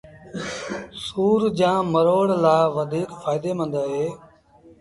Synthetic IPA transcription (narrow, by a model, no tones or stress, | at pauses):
suːɾd͡ʒãːməɾoːɽlaːʋəd̪ʱiːkfaːɪd̪eːmə̃nd̪aːɦeː